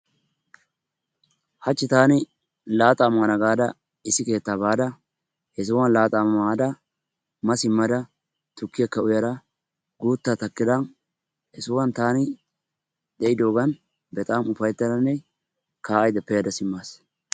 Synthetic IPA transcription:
hɐt͡ʃːɪt̪aːnɪ | laːt̪ʼaːmaːnɐɡaːd̪ɐ | ɪsːɪke̞ːt̪ːaːbaːd̪ɐ | jɛs̬ʊwɐnlaːt̪ʼaːmɐmaːd̪ɐ | mɐsɪmːɐd̪ɐ | t̪ʊkːɪjɐkːɐʊjɐdɐ | ɡuːt̪ːat̪ɐkːɪd̪ɐn | jɛsʊwɐnt̪aːnɪ | d̪̥ɛʔɪd̪o̞ːɡɐn | bɛt̪ʼaːmʊfɐjt̪ːɐd̪ɐnːɛ | kaːɐjd̪ɐpːɛjɐd̪ɐsɪmːaːs

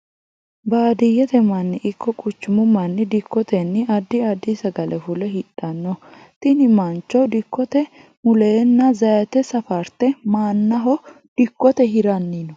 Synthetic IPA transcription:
baːd̪ɪjɛt̪ɛmɐnːɪʔɪkːɔkʼʊt͡ʃːʊmʊmɐnːɪd̪ɪkːɔt̪ɛnːɪɐd̪ːɪɐd̪ːisɐɡɐlɛfʊlɛɦɪᶑɐnːɔ | t̪ɪnɪmɐnt͡ʃːɔd̪ɪkːɔt̪ɛ | mʊleːnːɐzɐjɐt̪ɛsɐfɐɾt̪ɛmaːnːɐɦɔ | d̪̥ɪkːɔt̪ɛɦɪɾɐnːinɔ

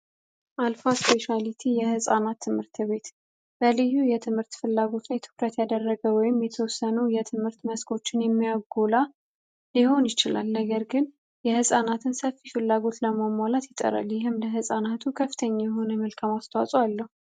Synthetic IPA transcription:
ʔalfaspe̞ʃalit̪ʰijɛhɨsʼanat̪ʰːɨmhɨɾt̪ʰɨβe̞t̪ | b̥əlɨjːujɛt̪ʰɨmhɨɾt̪fɨlːaɡo̞t̪njɛt̪ʰɨ̥kɾət̪jad̪əarːəɡəwɔjɪmjɛt̪ʰəwɔsːənujɛt̪ʰɨmhɨɾt̪məskʰo̞t͡ʃːɪnjɛmːijaɡola | liho̞njɪt͡ʃɪla̰lnəɡəɾɡɨn | jɛhɨsʼanat̪ʰɨnsəfːifɨlːaɡo̞t̪ləmamwalat̪jɪt̪ʼə̰ɾa̰ljɪɦɨmləɦɨsʼanat̪ʰukʰəfːɨ̥t̪ʰəɲːajɛɦo̞nəmɨlkʰamast̪ʰawasʼoalːəhu

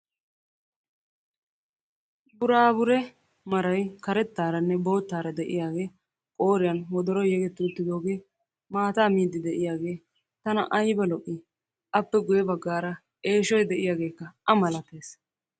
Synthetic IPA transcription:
bʊɾaːbʊɾɛ | mɐɾɐjkɐɾɛt̪ːaːɾɐnːɛbo̞ːt̪ːaːɾɐd̪ɛʔɪ̰jaːɡe̞ː | kʼo̞ːɾɪjaːnwɔd̪ɔɾɔjɛɡɛt̪ːʊːt̪ːɪd̪o̞ːɡe̞ː | maːt̪aːmiːd̪ːɪd̪ɛʔɪjaːɡe̞ː | t̪ɐnɐ̰ʔɐjbɐlɔʔːɪ | ʔɐpːɛɡʊjɛbɐɡːaːɾɐ | e̞ːʃɔjd̪ɛʔɪjaːɡe̞ːkːɐʔɐmɐlɐt̪ːe̞ːs

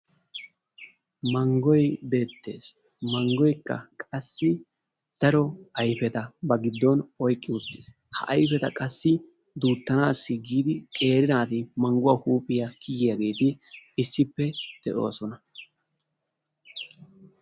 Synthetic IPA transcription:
mɐŋɡɔjbe̞ːt̪ːe̞̰ːs | mɐŋɡɔjkːɐ̰kʼɐsːɪ | d̪̥ɐɾɔɐjfɛt̪ɐbɐɡɪd̪ːɔnɔjkʼːɪʊt̪ːɪs | hɐ̰ʔɐjfɛt̪ɐkʼɐsːɪ | d̪uːt̪ːɐnaːsːɪɡiːd̪ɪkʼe̞ːɾɪnaːt̪ɪmɐŋɡʊwaːhuːpʼːɪjɐkʰɪjɪjɐɡe̞ːt̪ɪɪsːɪpːɛd̪̥ɛʔo̞ːsɔnɐ

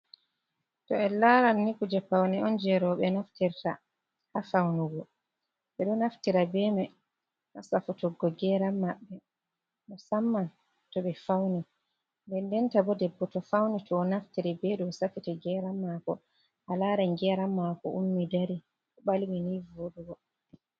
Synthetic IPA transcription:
tɔɛlaɾanːikud͡ʒɛpawnɛɔnd͡ʒɛɾɔɓɛnaftiɾta | hafawnuɡɔ | ɓɛɗɔnaftiɾabɛmɛ | ʔasafutɔɡːɔɡɛɾamːaɓːɛ | nɔsamːan | tɔɓɛfawni | ndɛndɛntabɔdɛbːɔtɔfawnitɔːnaftiɾibɛɗɔsafitɛɡɛːɾamːakɔ̰ | ʔalaɾanɡɛɾamːakɔ̰ʔumːidaɾi | ɔɓaliwinivoɗuɡɔ

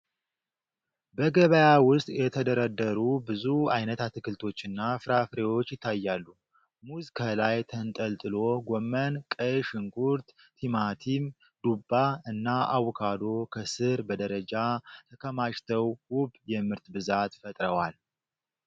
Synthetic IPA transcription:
bəɡəβəjawʊst̪ʼjɛt̪ʰəd̪əɾəd̪ːəɾubɨzuajnət̪at̪ʰɨkɨlt̪ʰo̞t͡ʃːɨnːafɨɾafɨɾewo̞t͡ʃːjɪt̪ʰːajːalːu | muzkʰəlajt̪ʰənt̪ʼəlt̪ʼɨlo̞ɡomːənkʼɨʃɨŋkʼuɾt̪ | t̪ʰimat̪ʰim | d̪̥ubːaɨnːaʔawkʰad̪o̞kʰəsɨɾbəd̪əɾəd͡ʒat̪ʰəkʰəmaʃt̪ʰəwwʊbjɛmɨɾt̪bɨzat̪fət̪ʼɾəwal

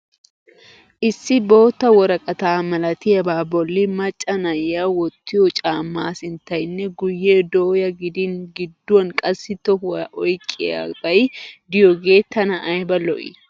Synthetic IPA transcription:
ʔɪsːɪbo̞ːt̪ːɐwɔɾɐkʼɐt̪aːmɐlɐt̪ɪjɐbaːbɔlːɪmɐt͡ʃʼːɐnɐjːawɔt̪ʰːɪjɔt͡ʃʼaːmːaːsɪnt̪ɐjnːɛɡʊjːed̪oːjɐɡɪd̪ɪnɡɪd̪ːwɐnkʼɐsːɪt̪ɔʔɔjkʼːɪja̰bɐjd̪ɪjɔɡe̞ːt̪ʰːɐnɐʔːjbɐlɔ̰ʔɪ̰

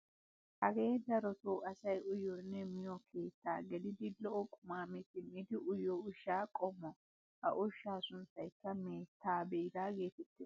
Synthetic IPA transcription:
hɐɡe̞ːd̪ɐɾɔt̪oːʔɐsɐjʊjɔnːɛmɪjɔkʰe̞ːt̪ːa̰ːɡɛd̪ɪd̪ɪlɔʔɔkʼʊmaːmɪt̪ɪmɪd̪ɪʔʊjɔʊʃːaːkʼɔmːɔ | hɐ̰ʔʊʃːaːsʊnt͡sːɐjkːɐmeːt̪ʰːaːbeɪd̪aːɡeːt̪ɛt̪ːɪ

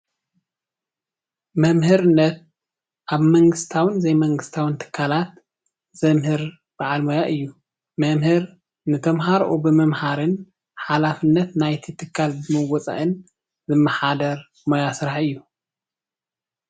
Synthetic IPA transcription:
mɐmhɨɾɨnːɐt̪̚ | ʔaβmɐŋɡɨst̪ʰawɨnzɐjmɐŋɡɨst̪ʰawɨnt̪ʰɨ̥kʰːalat̪ | z̥ɐmhɨɾ | b̥aʕalmojaʔɨjːu | mɐmhɨɾ | nɨt̪ʰɐmɦaɾʔubɨmɐmhaɾɨn | ħalafɨnːɐt̪najt̪ʰit̪ʰɨkʰːalbɨmɐwɔt͡sʼa̰ʔɨn | zɨmːɐħad̪ɐɾ | mojasɨɾaħɨjːu

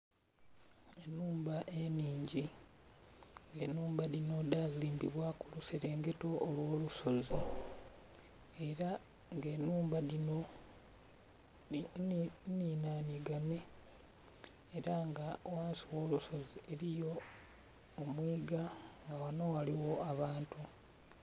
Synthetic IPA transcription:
enːuːmbaʔe̞niːɲɟi | ŋɡenuːmbaðino̞daziːmbiβwakuluseɾe̞ːŋɡe̞to̞ʔːlwo̞ːluso̞zi | e̞ɾa | ŋɡenuːmbaðino̞ | niːnaːniɡane̞ | eɾaŋɡawaːnsiwo̞ːluso̞ziʔeɾijo̞ː | mwiːɡaŋɡawano̞waliwo̞aβaːntu

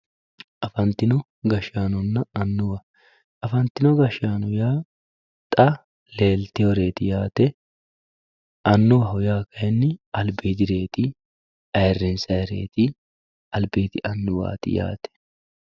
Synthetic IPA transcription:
ʔɐfɐnt̪ːɪnɔ | ɡɐʃaːnɔnːɐɐnːʊwɐ | ʔɐfɐnt̪ːɪnɔɡɐʃaːnɔjaː | t̪ʼɐ | le̞ːlt̪ɪjɔɾe̞ːt̪ɪjaːt̪ɛ | ʔɐnːʊwɐhʊjaːkɐjɛnːɪɐlbɪːd̪ɪɾe̞ːt̪ɪ | ɐjrːɛnsɐjɛɾḛːt̪ɪ | ɐlbeːt̪ɪʔɐnːʊwa̰ːt̪ɪ̰ja̰ːt̪ɛ̥

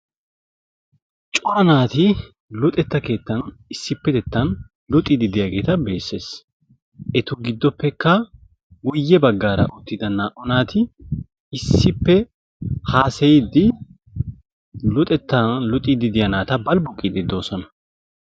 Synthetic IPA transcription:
t͡ʃʼɔɾɐnaːt̪ɪ | lʊt̪ʼɛt̪ːɐke̞ːt̪ːɐn | ɪsːɪpːɛd̪ɛt̪ːɐn | lʊt̪ʼːɪd̪ɪd̪ɪjɐɡe̞ːt̪ɐbe̞ːsːe̞ːs | ʔɛt̪ʊɡɪd̪ːɔpːɛkːɐ | wʊjːɛbɐɡːaːɾɐ̰ʔʊt̪ːɪd̪ɐnaːʔɔnaːt̪ɪ | ɪsːɪpːɛ | haːsɛjɪd̪ɪ | lʊt̪ʼɛt̪ːɐlʊt̪ʼid̪ɪd̪ɪjɐnaːt̪ɐbɐlbʊkʼːid̪ɪd̪o̞ːsɔnɐ

